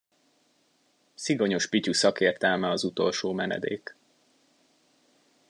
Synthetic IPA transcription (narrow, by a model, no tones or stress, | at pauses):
siɡo̞ɲo̞ʃpicusɒkeːrt̪ɛlmɛɒzut̪o̞̰lʃoːmɛnɛ̰d̪ḛːk